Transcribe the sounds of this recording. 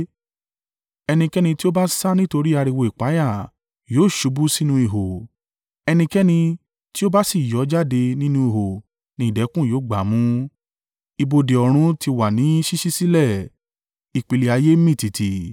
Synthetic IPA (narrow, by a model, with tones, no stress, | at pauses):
ɛ˧nĩ˧kɛ˦nĩ˧ti˦o˦ba˦sa˦nĩ˦to˧ɾi˦a˧ɾi˧wo˧˨i˨k͡pa˨˦ja˦˨ | joː˨˦˨ʃu˨˦bu˦si˦nũ˧i˧ɦo˨ | ɛ˧nĩ˧kɛ˦nĩ˧ | ti˦o˦ba˦si˦˨jɔ˨˦d͡ʒa˦˨de˧nĩ˦nũ˧˦i˨ɦo˨ | nĩ˨dɛ˨˦kũ˦˨joː˨˦ɡ͡ba˨˦mũ˦ | i˧bo˧de˨ɔ˨ɾ̃ũ˧tʰi˧wa˨nĩ˨˦ʃi˦ʃi˦si˦lɛ˦˨ | i˨k͡pi˨le˨a˧je˦mĩ˦˨ti˨tʰi˨